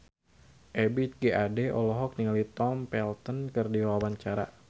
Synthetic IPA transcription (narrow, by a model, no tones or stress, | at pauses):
ʔɛbit̪̚ɡeʔadeʔɔlɔɦɔk̚niŋalit̪ɔmpɛlt̪ənkərdiwawaɲt͡ʃaɾa̰